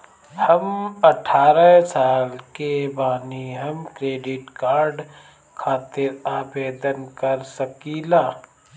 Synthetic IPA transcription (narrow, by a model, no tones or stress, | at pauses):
həmɐʈʰːaːɾəsaːlkebaːniɦɐmkɾeːɖɪʈkaːɾɖ | kʰaːt̪ɪɾaːbeːd̪ənkəɾsəkiːlaː